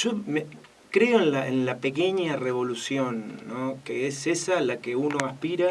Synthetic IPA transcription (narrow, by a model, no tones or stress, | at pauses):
ʒ̥o̞me | kɾe̞oenlaʔenlape̞ke̞ɲare̞β̞o̞lusjo̞nːokeese̞salakeuno̞aspiɾa